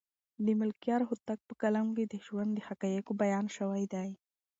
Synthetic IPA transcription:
d̪əmʊlkijɑɾɦʊt̪ak̚pəkalamked̪əʒwand̪d̪əxakajekobajɑnʃəwajd̪aj

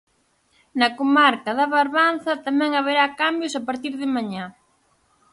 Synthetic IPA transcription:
nɐkomaɾkɐðɐβaɾβan̟θɐt̪amɛ̃ŋaβeɾakambjʊsapaɾt̪iɾðɪmaɲa

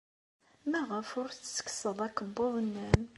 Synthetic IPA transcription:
mæʁəfʊɾθsːə̥kːsəðˤækəbːʊðˤənːæn

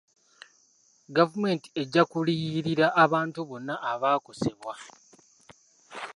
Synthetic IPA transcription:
ɡavume̞ːnti̥e̞ɟːakuliɾiɾaʔːβaːntuβo̞nːaʔːβaːko̞se̞βwa

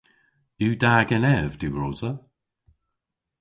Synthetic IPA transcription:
juːdaːɡənɛvd̥uːɹɔːzə

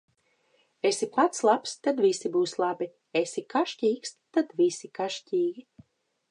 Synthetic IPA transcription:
esiplˠat̪slˠapst̪ad̪visibuːslˠabi | esikaʃcʲiːkst̪ad̪visikaʃcʲiːɡʲi

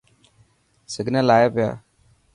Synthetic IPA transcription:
səɡʱnaːlaːjaːpɪja̰ː

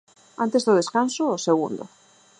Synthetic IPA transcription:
a̰nt̪ezðoð̞eskansoːseɣ̞ṵnd̪o̰

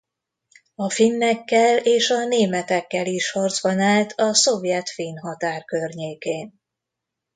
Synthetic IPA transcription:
ɒfinːɛkːɛleːʃɒneːmɛt̪ɛkːɛliʃhɒrd̪zbɒnaːlt̪ʰɒso̞vjɛt̪finɦɒt̪aːrkørɲeːkeːn

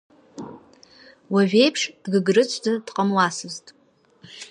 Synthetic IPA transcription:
waʒʲᶣe̞jpʰʂd̥ɡɨɡrɨt͡sʷʰzɨd̥qʼəmwasɨztʼ

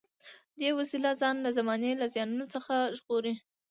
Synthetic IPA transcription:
d̪ewasilazɑnlazamɑnelazjɑnunot͡səxaʒɣoɾi

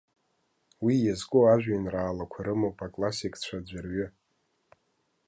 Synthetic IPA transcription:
wijazkʼoaʒᶣʷajnraːlakʷʰaɾɨmopʰakʼlasikʰʼt͡ɕʷʰad͡ʒʷarɥʏ

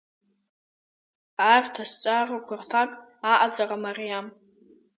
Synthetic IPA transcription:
artʰast͡ʃʷʼarakʷʰartʰakʼaʔad͡zʼaramarijam

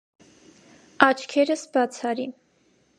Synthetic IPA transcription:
ɑt͡ʃʰkʰɛɾəsbɑt͡sʰɑɾi

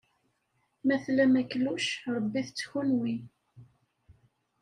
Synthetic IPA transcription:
mæθlæmækːluʃɾˤəbːiθt͡sːçunwi

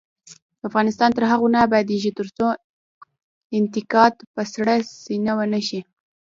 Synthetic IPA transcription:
d̪əafɣɑnɪst̪ɑnt̪əɾɦaɣunabajd̪eʒit̪əɾt͡so | ɪnt̪ɪkɑt̪pəsɽəsinawənəʃi

